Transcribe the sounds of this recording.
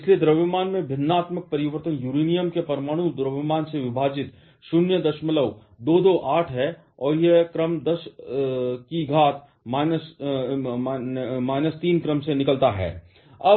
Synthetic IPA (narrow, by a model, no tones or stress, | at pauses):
ɪslied̪ɾəʋɪmaːnmẽbʱɪnːaːt̪mək̚pɐɾɪʋəɾt̪ənjuːɾiːnijəmkepɐɾmaːɽ̃ũd̪ɾəʋɪmaːnseʋɪbʱaːd͡ʒɪt̪ | ʃʊnjəd̪ɐʃmələw | d̪oːd̪oːʔaːʈʰɦɛ | ɔːɾjekɾəmd̪ɐʃ | kiɡʱaːt̪ | maːɪnəs | maːɪnəst̪iːnkɾəmsenɪkəlt̪aɦɛ̰ː | ɐ